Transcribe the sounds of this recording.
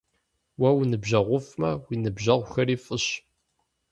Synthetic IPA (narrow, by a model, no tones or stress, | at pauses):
wæwnəbʒɐʁʷʊfmæwinəbʒɐʁʷxəɾifəʃ